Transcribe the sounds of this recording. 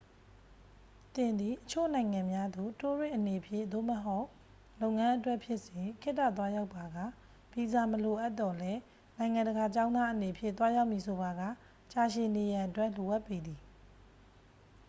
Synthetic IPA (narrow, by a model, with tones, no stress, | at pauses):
t̪ɪ̃˨nd̪i˨ʔət͡ɕʰo̰˦˨nã˨ɪ̃ŋã˨mja˦d̪o˨to˦dwɪ̃˦˨ʔəne˨əpʰjɪ̰̃˦˨d̪o̰˦˨məɦo˦ʊʔ | lõ˦ʊŋã˦ʔətwɛ˦ʔpʰjɪ˦ʔsjɪ̃˨kʰɪ˦ʔtːa̰˦˨t̪wa˦ja˦ʊpːa˨ɡä̰˦˨ | b̥i˨za˨məlo˨ʔa˦t̪ːɔ˨lɛ˦ | nã˨ɪ̃ŋã˨ndəɡa˨t͡ɕã˦ʊ̃ndða˦ʔəne˨pʰjɪ̰̃˦˨t̪wa˦ja˦ʊʔmi˨sʰo˨ba˨ɡa̰˦˨ | t͡ɕa˨ʃɪ̃˨ne˨jã˨ʔətwɛ˦ʔlo˨ʔa˦˨pːe˨d̪i˨